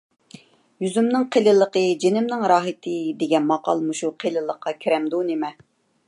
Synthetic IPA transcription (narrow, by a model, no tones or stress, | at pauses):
jyzymnɪŋqʰelɨlˠəqəd͡ʒenɪmnɪŋɾɑːɦɪt̪ʰɨd̪eɡʲɛnmɑqɑ̰lˠmuʃuqʰelˠɨlˠəqːɑkʲʰiɾɛmd̪unemɛ